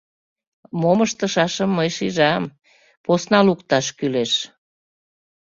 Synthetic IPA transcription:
moməʃt̪ə̆ʃɑʃəmːəjʃiʒɑm | posnɑlukt̪ɑʃkyleʃ

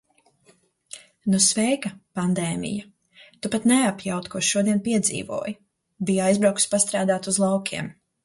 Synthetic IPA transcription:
nusvɛjkɐpand̪ɛːmḭja | t̪upat̪nɛapjawt̪kɔʃʃuɔd̪iɛnpiɛd̪zḭːvṵɔj | bijajzbɾawku̥spast̪ɾaːd̪aːt̪uzlˠawkʰʲiɛm

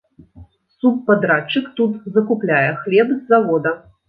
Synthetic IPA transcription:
supːad̪ɾat͡ʂɨkt̪ut̪zɐkuplʲajɛxlʲɛbzːavɔd̪ɐ

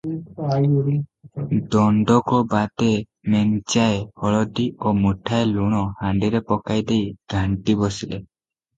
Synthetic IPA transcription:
d̪ɔɳɖɔkɔbat̪e | mɛŋt͡ʃaehɔɭɔɖ̪iomuʈʰaeluɽ̃ɔhaɳɖiɾepɔkajd̪ejɡ̥ʱaɳʈibɔsile

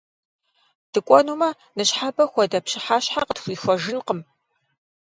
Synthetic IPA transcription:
d̥ɨkʷʼɔnuːmɐ | nɨɕħabɐxʷɔdɐpɕɪħaːɕħaqətxʷiːxʷɔʒɪnqəm

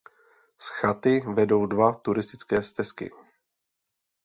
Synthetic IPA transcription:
sxat̪ɪvɛdo̞wdvat̪uɾɪst̪ɪt͡skɛːst̪ɛskɪ̰

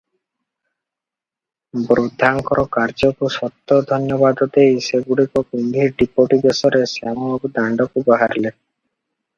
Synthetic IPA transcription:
bɾud̪ʱːaŋkɔɾɔkaɾd͡ʒɔkusɔt̪ːɔd̪ʱɔnjɔβad̪ɔd̪ejseɡuɽikɔkund̪ʱiɾɖipoʈibesɔɾesamɔkd̪aɳɖɔkubaɦaɾle

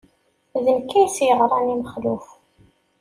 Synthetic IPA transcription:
ðənkːæjsjəʁɾˤɑniməχluf

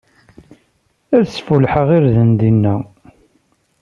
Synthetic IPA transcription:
æðsfulħəʁiɾðənd̪inːæ

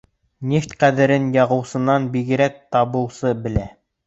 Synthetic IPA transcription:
nʲeft̪qæðɘ̆ɾɘnjɑʁɤ̆wsɤ̆nɑnbiɡɘ̆ɾæk̚t̪ɑβɤ̆wsɤbɘ̆læ

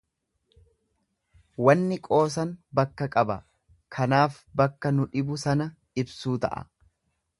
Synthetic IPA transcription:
wɐnːɪkʼo̞ːs̬ɐnbɐkːɐkʼɐbɐ | kʰɐnaːf | bɐkːɐnʊᶑɪbʊsɐnɐ | ɪbsuːt̪ɐ̰ʔɐ̰

